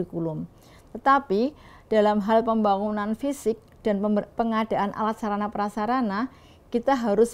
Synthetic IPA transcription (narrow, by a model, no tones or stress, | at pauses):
ikulʊm | t̪ət̪apid̥alamɦalpəmbaŋunanfisɪk̚d̥anpəŋad̥aʔanʔa̰lat̪̚saɾanapəɾasaɾana | kit̪aɦaɾʊs